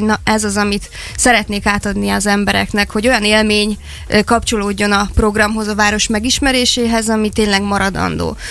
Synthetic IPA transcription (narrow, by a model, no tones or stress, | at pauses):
nɒɛzɒzɒmit̪ | sɛɾɛt̪neːkaːt̪ɒd̪niɒzɛmbɛɾɛ̰knɛkho̞ɟo̞jɒneːlmeːɲ | kɒpt͡ʃo̞loːɟːo̞nɒpro̞ɡrɒmɦo̞zɒvaːɾo̞ʃmɛɡiʃmɛɾeːʃeːɦɛzɒmit̪eːɲlɛɡmɒɾɒd̪ɒ̰nd̪o̰ː